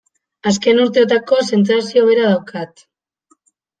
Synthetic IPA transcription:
as̬ke̞nuɾt̪e̞t̪̬ako̞se̞nsasio̞βe̞ɾað̞awkat̪

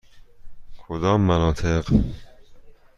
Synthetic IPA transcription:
kʰod̪ɒːmːænɒːt̪ʰeɢ

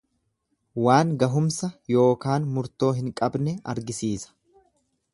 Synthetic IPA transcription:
waːŋɡɐɦʊmsɐjo̞ːkaːnmʊɾt̪o̞ːɦɪŋkʼɐbnɛɐɾɡɪsiːsɐ̥

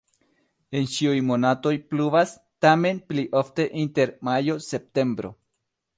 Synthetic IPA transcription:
e̞nt͡ʃiujmonato̞jpluvas | tame̞npliʔofte̞ʔinte̞ɾmajo̞se̞p̚te̞mbɾo̞̰

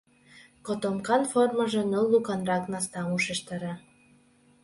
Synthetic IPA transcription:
kot̪omkɑnformə̆ʒĕnəlːukɑnrɑknɑst̪ɑuʃeʃt̪ɑɾɑ

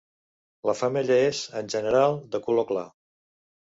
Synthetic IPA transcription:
ləfəmeʎəezənʲʒənəɾalˠd̪əkulokla̰

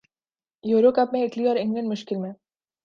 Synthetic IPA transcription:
juːɾokɐpmẽɪʈliɔːɾɪ̃ŋɡlə̃ɳɖmʊʃkɪlmẽ

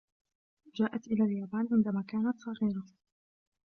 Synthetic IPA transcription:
d͡ʒaːʔat̪ʔɪlaːljaːbaːnʕɪnd̪amaːkaːnat̪sˤɑɣiːɾa

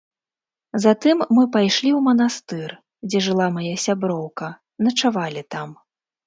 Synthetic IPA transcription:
zat̪ɨmːɨpajʂlʲiwmɐnast̪ɨr | d͡zʲɛʐɨlˠamajasʲabɾɔwkɐ | nɐt͡ʂavalʲit̪am

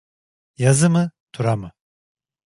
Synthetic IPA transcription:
jazɯmɯt̪ʰuɾamɯ

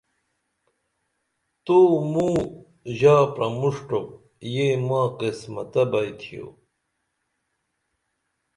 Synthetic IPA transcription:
t̪oːmuː | ʑaːpɾɐmuʂʈok̚ | jemaːqismɐ̰t̪ɐbɐjt̪ʰijo̰

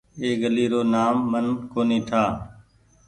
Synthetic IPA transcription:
eːɡəliːɾoːnaːmːənkoːnĩːt̪ʰaː

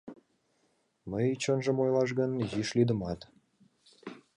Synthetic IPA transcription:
məjt͡ɕənʒəmojlɑʃ̬ɣənjiʃlid̪əmɑt̪

